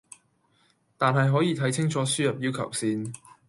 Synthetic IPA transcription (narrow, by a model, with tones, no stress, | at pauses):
t̪aː˨nɦɐ˨jɦɔː˨˥jiː˨˧t̪ʰɐ˨˥jt͡sʰɪ˥ŋt͡sʰɔː˨˥syː˥jɐ˨p̚jiː˥wkʰɐ̰˨˩wsiː˧n